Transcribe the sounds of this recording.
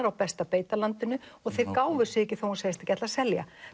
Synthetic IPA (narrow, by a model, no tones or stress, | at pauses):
ɾawpɛst̪apeːjt̪alant̪ɪnʏɔɣθejɾkaːwvʏ̥sɪɛcɪθowhunsejst̪acɛt̪lasɛlja̰